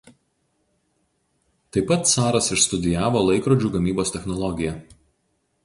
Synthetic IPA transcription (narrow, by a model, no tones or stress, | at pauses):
t̪ɐɪpːɐt̪sɑːɾɐsɪʃst̪ʊd̪ʲɪjæːʋoːlˠɐɪkɾoːd͡ʒʲuːɡɐmʲiːboːst̪ʲɛxnɔlˠɔɡʲɪjɛˑ